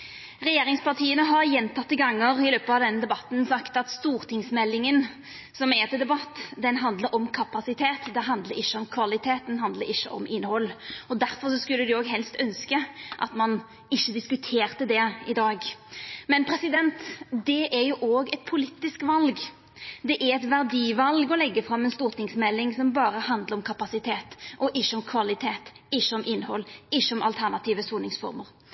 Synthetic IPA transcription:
ʁɛjeːɾɪŋspɑʁt̪ʰiːənəɦɑɾjɛnt̪ʰɑt̪ːəɡɑŋːəɾɪløːpəɑʋd̪ɛnːəd̪ɛbɑt̪n̩sɑkt̪ɑt̪st̪uːʁt̪ɪŋsmɛlːɪŋən | sɔmɛt̪ɪd̪ɛbɑt̪ːd̪ɛnɦɑnd̪ləɾɔmkʰɑpɑsɪt̪ʰeːt̪d̪ɛɦɑnd̪ləɾɪʃːəɔmkʰʋɑlɪt̪ʰeːt̪̚d̪ɛnhɦɑnd̪ləɾɪʃːə̰ʔɔmɪnːhɔlːɔd̪æʁfɔʁsɔskʉlːəd̪ʉoːɡɦɛlst̪œnskəʔɑ̰t̪mɑn | ɪʃːəd̪ɪskʉt̪ʰeːʁt̪əd̪ɛɪd̪ɑːɡmɛnpʰɾɛsɪd̪ɛnt̪d̪ɛʔæɾjʊʔoːɡɛt̪̚pʰʊlit̪ːɪskʋɑlɡ | d̪ɛʔæɾɛt̪ʋæʁd̪iːʋɑlɡɔlɛɡːəfɾɑmːɛnst̪uːʁt̪nɪŋsmɛlːɪŋsɔmbɑːɾəhɑnd̪ləɾɔmkʰɑpɑsɪt̪ʰeːt̪ʔɔʔɪʃːəɔmkʰʋɑlɪt̪ʰeːt̪ɪʃːəɔmʔɪnːhɔlːɪʃːəɔmɑ̰lt̪ʰæʁnɑt̪ʰiːʋəsuːnɪŋsfɔ̰ɾməɾ

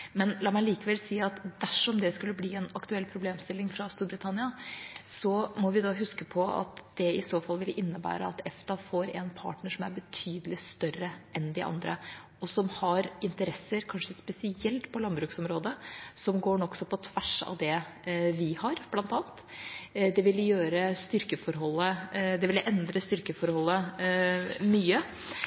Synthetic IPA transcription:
mɛnlɑːmæɪliːkəʋɛlsiːɑt̪d̪æʂɔmd̪ɛskʉlːəbliːɛnɑkt̪ʉɛlːpʰɾʊbleːmst̪ɪlːɪŋfɾɑst̪uːɾbɾɪt̪ʰɑnɪɑsɔmɔʋɪd̪ɑɦʉskəpʰɔɑ̰t̪d̪̥ɛɪsoːfɑlːʋɪlʔɪnːəbæ̰ːɾə̰ɑt̪ʰɛft̪ɑfɔɾɛnpʰɑ̰ːʈɳəʂɔmæɾbət̪ʰyːd̪əlɪst̪œɾəʔɛnd̪ɪʔɑ̰nd̪ɾə̰ | ɔsɔmhɑɾɪnt̪əɾɛsəɾkʰɑnʂəspɛsɪɛlt̪pʰɔlɑnbɾʉːksɔmɾoːd̪əsɔmɡoːɳɔksɔpʰɔt̪ʰʋæʂɑ̰ʋd̪ɛ | ʋɪhɑɾb̥lɑnt̪ɑːnt̪d̪ɛʋɪljøːɾəst̪ʏɾkəfɔɾɦɔlːəd̪ɛʋɪlʔɛnd̪ɾəst̪ʏɾkəfɔɾhɔlːə | myːə

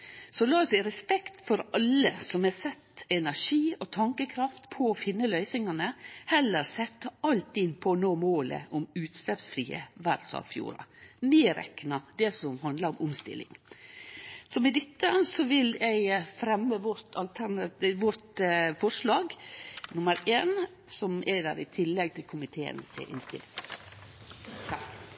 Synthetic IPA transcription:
sɔlɑːsɛɪɾɛspɛkt̪fɔɾɑlːəsɔmɛsɛt̪ːɛnæɾʂiːɔt̪ʰɑŋkəkʰɾɑft̪pʰɔːfɪnːəlœʏsɪŋɑnəhɛlːəɾsɛt̪ːəɑlt̪ɪd̪pʰɔnoːmoːlə̰ʔɔmʉːt̪slɛpsfɾiːə̰ʋæɾsɑ̰ʋfjṵːɾɑ̰meːɾɛ̰knɑd̪ɛsɔmhɑnd̪ləɾɔmʊmst̪ɪ̰lɪ̰ŋ | sɔmɛd̪ɪt̪ːəsɔʋɪlɛɪfɾɛmːəʋɔɾt̪ʰɑlt̪ʰænɑʋɔɾt̪fɔʂɭɑːɡnʊməɾeːn | sɔmɛd̪æ̰ːɾɪt̪ʰɪlːɛɡ̚t̪ʰɪlkʰʊmɪt̪ʰeːə̰nsʔɪ̰nst̪ɪ̰lɪŋ

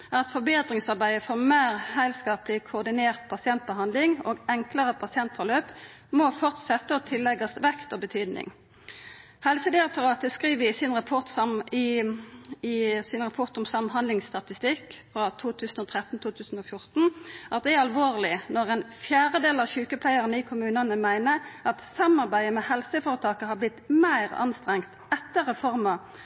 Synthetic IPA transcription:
ɑt̪fɔʁbeːd̪ʁɪŋsɑʁbæɪəfɔʁmeːʁhæɪlskɑːplɪkʰʊːʁd̪ɪneːʁt̪̚pʰɑsɪɛnt̪̚bəhɑnd̪lɪŋo̰ːɡɛŋkləʁəpʰɑsɪɛnt̪fɔʁløːp | mɔfɔʁt̪sɛt̪ːəɔt̪ʰɪlːɛɡɑsʋɛkt̪ɔbət̪ʰyːd̪nɪ̰ŋ | hɛlsəd̪ɪɑk̚t̪ʊʁɑːt̪əskʁiːʋəɪsɪnʁɑpʰɔʁt̪sɑɪ | ɪsɪnʁɑpʰɔʁt̪ʊmsɑmɦɑnd̪lɪŋsst̪ɑt̪ɪst̪ɪkfʁɑt̪ʰuːt̪ʰʉːsənoːt̪ʰʁɛt̪n̩t̪ʰuːt̪ʰʉːsn̩oːfjʊʁt̪n̩ʔɑt̪̚d̪ɛæʁɑlʋoːʁlɪnɔʁɛnfjæːʁəd̪eːlɑʋçʉːkəpʰlæɪəʁənəɪkʰʊmʉːnɑnəmæɪnəʔɑt̪sɑmɑʁbæɪəmɛhɛlsəfoːɾət̪ʰɑːkəhɑblɪt̪mæɪʁɑ̰nst̪ʁɛŋkt̪ɛt̪ːəʁəfɔʁmɑ

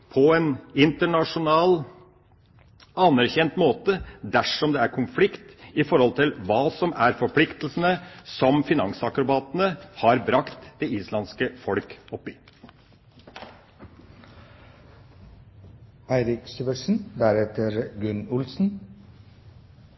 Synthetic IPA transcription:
pʰɔɛnɪnt̪əɳɑʂʊnɑːl | ɑnæɾçɛnt̪moːt̪əd̪æʂɔmd̪ɛæɾkʰʊnflɪkt̪ɪfɔɾhɔlt̪ɪlʋɑːsɔmæɾfɔɾpʰlɪkt̪l̩sənəsɔmfɪnɑŋsɑkɾʊbɑːt̪ənəhɑɾbɾɑkt̪d̪̥ɛiːslɑnskəfɔlkɔpːɪ | æɪɾɪksyʋəʂn̩d̪æɾɛt̪əɾɡʉnʊlsn̩

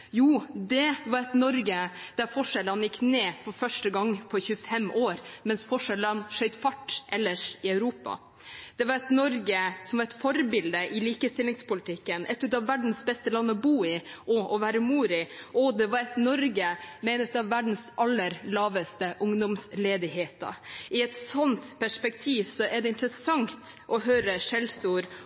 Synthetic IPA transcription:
juːd̪ɛʋɑɾɛt̪nɔɾɡəd̪̥æɾfɔʂɛlənjɪkːneːfɔɾfœʂʈəɡɑŋːpʰɔçʉːəfɛmʔoːɾmɛnsfɔʂɛlənʂœʏt̪fɑʈːʔɛlːəʂɪœʉɾuːpɑ̰ | d̪̥ɛʋɑɾɛt̪nɔɾɡəsɔmʋɑɾɛɪt̪fɔɾbɪld̪əʔɪliːkəst̪ɪlɪŋspʊlɪt̪ʰɪkːənʔɛt̪ːʉːt̪ɑʋʋæɖɳ̩sbɛst̪əlɑnːəɔbuːɪʔɔʔɔʋæːɾəmuːɾɪɔd̪ɛʋɑɾɛt̪nɔɾɡəmɛɪnəʉt̪ɑʋːæɖn̩sʔɑlːəɾlɑːʋəst̪əʔʊŋd̪ʊmsleːd̪ɪheːt̪ɑ̰ʔɪɛt̪sɔnt̪pæʂpɛk̚t̪ʰiːʋsɔʔɛɖɛɪnt̪əɾəsɑŋt̪ʔɔɦøːɾəʂɛlsuːɾ

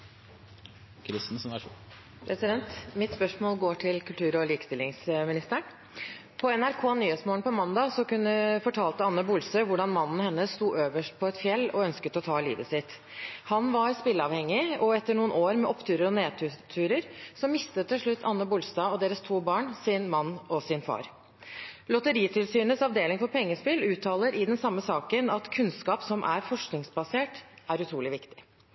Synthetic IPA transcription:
kʰɾɪsn̩sɔ | pʰɾɛsɪd̪ɛnt̪mɪt̪spœʂmoːlɡoːʈʰɪlkʉlt̪ʰʉːɾɔliːkə̥st̪ɪlːɪŋsmɪnɪst̪əɳ | pʰɔɛnæɾkʰoːnyːheːt̪smoːɳpʰɔmɑnd̪ɑsɔkʉnːəfɔʈʰɑːlt̪əɑnːəbʊlsəʋʊɖɑnmɑnn̩hɛnːəst̪uːʔøːʋəʂʈ̚pʰɔɛt̪fjɛlːɔœnskət̪ɔt̪ʰɑːlḭːd̪əsɪt̪ | hɑnʋɑɾspɪləɑʋhɛŋːɪɔɛt̪ːəɳuːənoːɾmɛʔɔpːt̪ʰʉːɾəɾɔneːt̪ʰʉːt̪ʰʉːɾəɾsɔmːɪst̪ət̪ʰːɪlʂɭʉt̪ʰːɑnːəbʊlst̪ɑːɔd̪eːɾəst̪ʰuːbɑːɳsɪnmɑnːɔsɪnfɑ̰ːɾ | lɔt̪əɾiːt̪ʰɪlsyːnəsɑʋd̪eːlɪŋfɔɾpʰɛŋːəspɪlʉːt̪ʰːɑːləɾɪd̪ɛnsɑmːəsɑːkənɑt̪kʰʉnskɑːpsɔmʔæɾfɔʂknɪŋsbɑseːʈʔæɾʉt̪ʰɾuːlɪʋɪkt̪ɪ̥

